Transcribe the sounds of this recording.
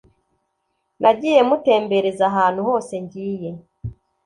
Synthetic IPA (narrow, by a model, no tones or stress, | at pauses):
nʔaɟiːje̞mute̞ːmbe̞ɾezaɦaːn̥huho̞ːse̞ɲɟiːje̞